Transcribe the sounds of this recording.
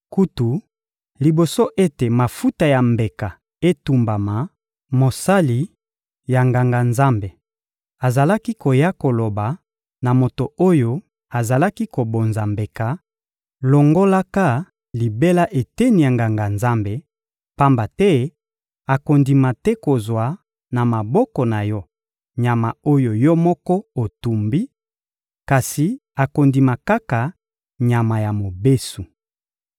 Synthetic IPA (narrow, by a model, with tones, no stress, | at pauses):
ku˦tu˨ | li˨bo˨so˦ʔe˦te˨ma˨fu˦ta˨ja˨mbe˨ka˨ | e˦tu˨mba˨ma˨ | mo˨sa˦li˨ | ja˨ŋɡa˨ŋɡa˨nza˦mbe˨ | a˨za˨la˦ki˦ko˨ja˦ko˨lo˨ba˨ | na˨mo˨to˨o˦jo˦ | a˨za˨la˦ki˦ko˨bo˨nza˨mbe˨ka˨ | lo˨ŋɡo˦la˦ka˦ | li˨be˦la˦ʔe˨tɛ˦ni˨a˨ŋɡa˨ŋɡa˨nza˦mbe˦ | pa˦mba˨tɛ˦ | a˨ko˨ndi˨ma˨tɛ˦ko˨zwa˨ | na˨ma˨bɔ˦kɔ˨na˨jɔ˦ | ɲa˨ma˨o˦jo˨jɔ˦mɔ˦kɔ˦o˨tu˨mbi˦ | ka˨si˨a˨ko˨ndi˨ma˨ka˦ka˨ | ɲa˨ma˨ja˨mo˨be˦su˨